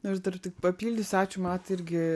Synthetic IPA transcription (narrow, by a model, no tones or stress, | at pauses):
nɐʒd̪ɐrt̪ʲɪkpɐpʲiːlʲd̪ʲɪsʲæːt͡ʃʲʊmɑːt̪ɪɾʲɡʲɪ